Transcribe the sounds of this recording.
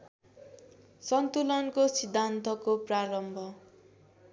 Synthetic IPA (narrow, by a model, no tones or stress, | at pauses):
sʌnt̪ulʌnkosid̪ʱːant̪ʌkopraɾʌmbʱʌ